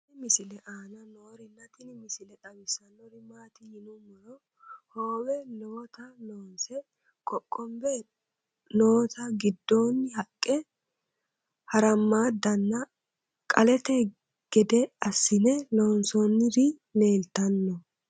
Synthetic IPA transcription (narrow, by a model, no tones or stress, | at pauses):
ɪmɪsɪlɛʔaːnɐnoːɾɪnːɐt̪ɪnɪmɪsɪlɛᶑ̪ɐmɪsɐnːɔɾɪmaːt̪ɪjɪnʊmɔɾɔ | hoːwɛnɔwɔt̪ɐloːnsɛ | kʼɔkʼːɔmbɛ | noːɔt̪ɐɡɪd̪ːoːnːɪhɐkʼːɛ | hɐɾɐmːaːd̪ɐnːɐ | kʼɐlɛt̪ɛ | ɡ̥ɛd̪ɛɐsːɪnɛloːnsɔnːɪɾɪ | ne̞ːlt̪ɐnːɔ